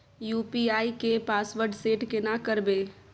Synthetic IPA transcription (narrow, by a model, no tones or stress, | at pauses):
juːpiaːikepaːsʋəɾɖseːʈkenakəɾbeː